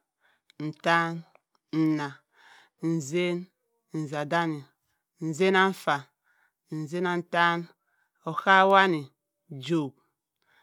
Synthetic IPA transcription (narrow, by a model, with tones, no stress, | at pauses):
n̩˨ta˦n | n̩˨na˨ | n̩˨ze˦n | n̩˨za˨da˦ni˨ | n̩˨ze˦na˦ɱ̩˦fa˨ | n̩˨ze˦na˨n̩˨ta˦n | o˨xa˦wa˦ni˨ | d͡ʒo˨k̚